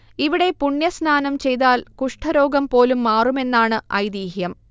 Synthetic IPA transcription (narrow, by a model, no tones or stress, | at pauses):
iʋiɽe̞puɳjɐsnaːnɐmt͡ɕe̞jt̪aːlkuʂʈʰɐɾo̞ːɡɐmpo̞ːlumːaːrume̞nːaːɳɨɐjd̪iːɦjɐm